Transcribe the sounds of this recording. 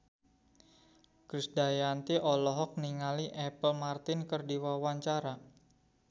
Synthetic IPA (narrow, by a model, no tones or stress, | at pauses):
kɾɪsdajant̪iʔɔlɔɦɔk̚niŋaliʔɛpəlmart̪ɪnkərdiwawaɲt͡ʃaɾa